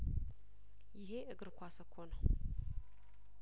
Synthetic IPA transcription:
jɪɦeʔɨɡɨɾkʷasəkʰːonəw

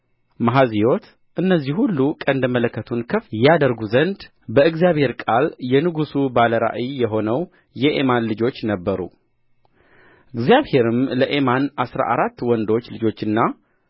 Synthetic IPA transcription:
maɦazijo̞t̪ | ʔɨnːəzːihhulːukʼənd̪mələkːət̪ʰunkʰəfjɛad̪əɾɡuzənd̪ | bəɨɡzjaβhe̞ɾkʼaljɛnɨɡusubaləɾa̰ʔijɛɦo̞nəw | jɛʔemanlɨd͡ʒo̞t͡ʃːnəbːəɾṵ | ʔɨɡzijaβhe̞ɾɨmləʔe̞manʔasɾa̰ʔaɾat̪ːwɔnd̪o̞t͡ʃːlɨd͡ʒo̞t͡ʃːɨnːa

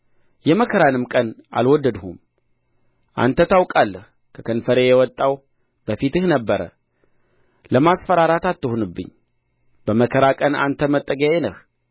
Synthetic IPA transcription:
jɛməkʰəɾanɨmkʼəna̰lwɔd̪ːəd̪hum | ʔa̰nt̪ʰət̪ʰawkʼalːəh | kʰəkʰənfəɾejɛwɔt̪ʼːaw | b̥əfit̪ɨhnəbːəɾə̰ | ləmasfəɾaɾat̪at̪ːɨhonɨbːɨ̰ɲː | b̥əməkʰəɾakʼəna̰nt̪ʰəmət̪ʼːəɡəenəh

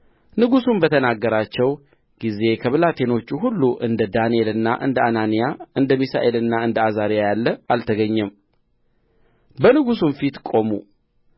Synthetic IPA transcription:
nɨɡusunbət̪ʰənaɡːəɾat͡ʃːɛw | ɡ̥ize̞kʰəβɨlat̪ʰe̞no̞t͡ʃːuɦulːuʔɨnd̪əd̪anielɨnːaʔɨ̰nd̪əananijaɨnd̪əmisa̰ʔe̞lɨnːaɨnd̪əazaɾijajalːəalt̪ʰəɡəɲːɛm | bənɨɡusunfit̪kʼo̞mṵ

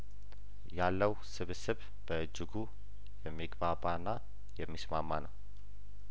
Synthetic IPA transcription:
jalːəwsɨβsɨβ | b̥əɨd͡ʒːɪɡu | jɛmːiɡbaβanːa | jɛmːismamːanəw

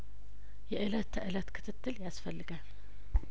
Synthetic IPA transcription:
jɛʔɨlət̪ʰːəʔɨlət̪kʰɨ̥t̪ʰɨt̪ʰːɨljasfəlːɨɡal

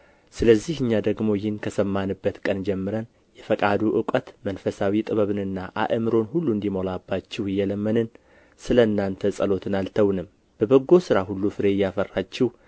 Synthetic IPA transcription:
sɨləzːihɨɲːad̪əɡmo̞jɪnkʰəsəmːanɨbːət̪kʼənd͡ʒɛmːɨɾən | jɛfəkʼad̪uʔɨkʼət̪mənfəsawit̪ʼɨβəβɨnɨnːaʔa̰ʔɨmɨɾo̞nhulːuɨnd̪imo̞labːat͡ʃːɪhɨjːɛləmːənɨn | sɨləɨnːant̪ʰəsʼəlo̞t̪ʰɨnalt̪ʰəwnɨm | b̥əbəɡːo̞sɨɾaɦulːufɨɾe̞jːafərːat͡ʃːɪh

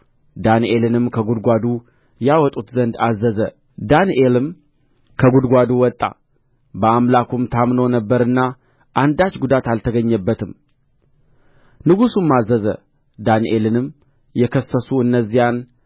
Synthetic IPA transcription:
d̪anʔe̞lɨnɨmkʰəɡud̪ɡʷad̪u | jawɔt̪ʼut̪zənd̪azːəzə | d̪anʔelɨm | kʰəɡud̪ɡʷad̪uwɔt̪ʼːa̰ | bəamlakʰumt̪ʰamnonəbːəɾɨnːa | ʔand̪at͡ʃɡud̪at̪alt̪ʰəɡəɲːəbːət̪ʰɨm | nɨɡusumːazːəzə̰ | d̪anʔelɨnɨm | jɛkʰəsːəsuɨnːəzːijan

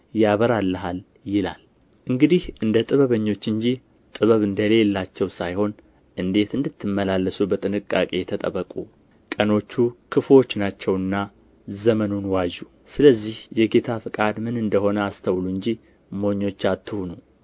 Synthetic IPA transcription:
jaβəɾalːəɦal | jɪla̰l | ʔɨŋɡɨd̪ihʔɨnd̪ət̪ʼɨβəβəɲːo̞t͡ʃːɨɲd͡ʒi | t̪ʼɨβəβɨnd̪əle̞lːat͡ʃːɛwsajho̞n | ʔɨnd̪e̞t̪ɨnd̪ɨt̪ʰːɨmːəlalːəsubət̪ʼɨnɨkʼːa̰kʼe̞ɛt̪ʰət̪ʼəβəkʼu | kʼəno̞t͡ʃːukʰɨfwo̞t͡ʃːnat͡ʃːɛwɨnːa | zəmənunwaʒu | sɨləzːihjɛɡe̞t̪ʰafɨkʼad̪mɨnɨnd̪əho̞nəast̪ʰəwluɨɲd͡ʒi | mo̞ɲːo̞t͡ʃːat̪ʰːɨhunu

